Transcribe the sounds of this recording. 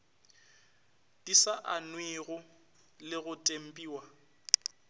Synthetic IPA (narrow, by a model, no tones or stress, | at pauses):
d̥isaʔanwiɣʊ | lɪɣʊtʼem̩pʼiːwa